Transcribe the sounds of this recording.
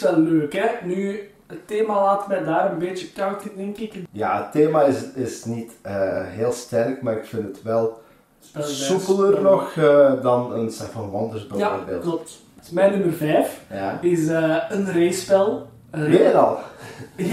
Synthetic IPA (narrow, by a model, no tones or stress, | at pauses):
sʋɛlːøːkɦɛny | ətːeːmalaːtəmɛjdaːɾənbeːt͡ʃəkawtədɛŋkɪkja̰ːətːeːmaɪsɪsnitəːɦeːlˠstɛnəkmaːɾɪkfɪntətʋɛlˠ | spɛlsupələrnɔxədɑnənsɛtfɑnʋɔndərzbəvrbḛːlˠklɔp̚t | mɛjnɵmərvɛːfjaɪsəːənreːspɛlˠ | meːɾɑ̰lˠ